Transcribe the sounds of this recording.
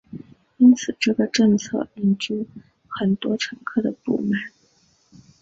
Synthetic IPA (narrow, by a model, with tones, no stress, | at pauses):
i˥nt͡sʰɹ̩˨˩ʈ͡ʂɤ˥˩ɡə˩ʈ͡ʂɤ˥˧ŋt͡sʰɤ̰˥˧i˧˥˩nʈ͡ʂu˥ | xə˨˩nt̪wɔ˥ʈ͡ʂʰɤ˧˥ŋkʰɤ˥˩d̪ə˩pṵ˥˩ma˥˩n